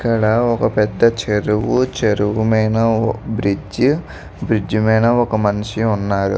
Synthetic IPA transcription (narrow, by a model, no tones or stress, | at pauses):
kːɐɽɐɔkɐpɛd̪ːɐt͡ʃeɾuʋut͡ʃeɾuʋumeːnɐbɾid͡ʒ | bɾid͡ʒumɛːnɐɔkɐmɐniʃiunːaːɾṵ